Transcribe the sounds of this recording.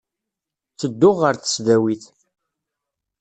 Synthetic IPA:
t͡sːəd̪ːʊʁəɾθə̥sðæwiθ

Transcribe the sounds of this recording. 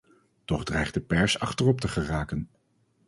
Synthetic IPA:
tɔχdrɛjχdəpɛɹsɑχtərɔptəχəraːkən

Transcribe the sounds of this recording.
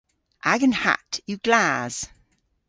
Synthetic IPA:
ʔaɡə̃nha̰ʔjəɡlaz̥

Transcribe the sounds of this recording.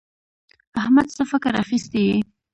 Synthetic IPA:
ahmad̪səfɪkəɾa̰xist̪eje

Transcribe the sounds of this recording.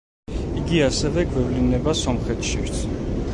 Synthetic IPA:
iɡiasɛvɛɡwɛvlinɛbasɔmχɛt̪ʃiɾt̪sʰ

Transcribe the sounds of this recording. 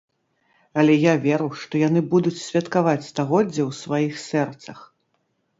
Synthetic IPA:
ɐlʲɛjavʲɛɾɨwʂt̪ɔjan̪ɨbud̪ut͡sʲsʲvʲɐt̪kavat͡sʲst̪aɣɔd͡zʲːɛwsvajixsʲɛrt̪sɐx

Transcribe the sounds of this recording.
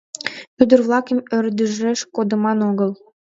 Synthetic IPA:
yd̪ərvlˠɑkəmøɾd̪əʒɾeʃkod̪ɤ̆mɑnoɣə̆lˠ

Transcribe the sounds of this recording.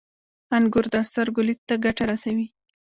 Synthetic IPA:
anɡʊɾd̪ɑst̪aɾɡʊlit̪̚t̪ːaɡaʈaɾasawi

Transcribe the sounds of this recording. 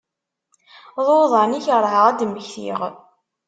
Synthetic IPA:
ðˤoðˤəʕniçəɾˤhəʁæd̪məçθḭʁ

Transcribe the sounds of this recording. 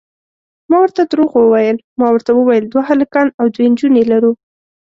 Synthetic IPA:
mɑwəɾt̪ad̪ɾoɣwəwajəl | mɑwəɾt̪awəwajəld̪waɦalakɑnawd̪wend͡ʒunelaɾu

